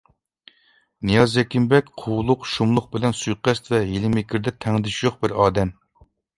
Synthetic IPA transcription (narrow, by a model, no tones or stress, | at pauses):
nijɑzːɛkʲimbɛkʲqʰowlˠʊqʃumlˠʊχ̚bɪlɛnsujqɛst̪vɛjilɪmɪkʲʰiɾd̪ɛt̪ʰɛŋd̪ɪʃjoχbɪɾɑːd̪ɛm